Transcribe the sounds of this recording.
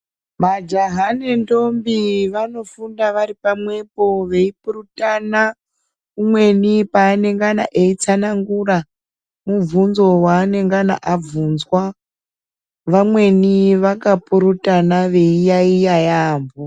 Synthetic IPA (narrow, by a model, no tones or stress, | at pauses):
mad͡ʒaɦanendo̞mbiʋano̞fundaʋaɾipamwe̞po̞ʋe̞ipurutana | umwe̞nipaːne̞ŋɡana̰ʔe̞it͡sanaŋɡura | mub͡vunzo̞waːne̞ŋɡana̰ʔab͡vuːnzwa | ʋamwe̞niʋakapuɾutanaʋe̞ijaijajaːmbo